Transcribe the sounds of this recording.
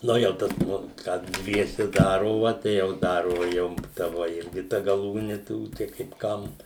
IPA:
ˈnʊ jɛʊ ˈtɐs ˈnʊ ˈkɑː ˈdʲʋʲiɛsʲɛ ˈdɑːroːʋɐ tɐɪ jɛʊ ˈdɑːroːʋɐ ˈjɛʊ tɐ ˈʋoː ˈɪrʲɡʲɪ ˈtɐ ɡɐˈlˠuːnʲɪ ˈtuː tɐɪ kɐɪp ˈkɐm

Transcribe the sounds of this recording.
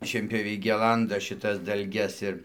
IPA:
ʃʲiɛnʲpʲjoːˈʋʲɛɪ ˈɡʲæːlˠɐndɐ ʃʲɪˈtɐs dɐlʲˈɡʲɛs ɪr

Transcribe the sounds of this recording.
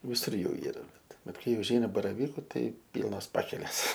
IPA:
ʋʲɪˈsʊr ˈjuː ˈiːrɐ ˈbʲɛt ˈbʲɛt ˈkɐɪ ʊʒʲˈɛɪnɐ bɐrɐˈʋʲiːkʊ ˈtɐɪ ˈpʲiːlˠnoːs ˈpɑːkʲɛlʲeːs

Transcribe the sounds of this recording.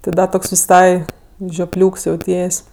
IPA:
tʲɪ ˈdɐ ˈtoːks ʋʲɪˈsɐɪ ʒʲoːˈpʲlʲuːks jɛʊˈtʲiɛsʲ

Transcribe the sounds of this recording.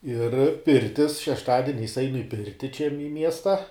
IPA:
ɪr ˈpʲɪrʲtʲɪs ʃʲɛʃˈtɑːdʲɪnʲɛɪs ˈɐɪnʊ ɪ ˈpʲɪrʲtʲɪ t͡ʃʲɛ mʲɪ ˈmʲiɛstɐ

